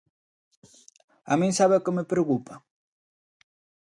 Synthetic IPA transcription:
a̰miŋsaβekɪmepɾeokupa

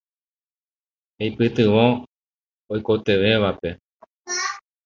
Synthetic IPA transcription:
ejpɨt̪ɨʋõ | ojko̞t̪e̞ʋe̞ʋape̞

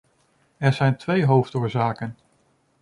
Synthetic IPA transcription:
ɛɹzɛjntʋejɦowftʊːɹzaːkən

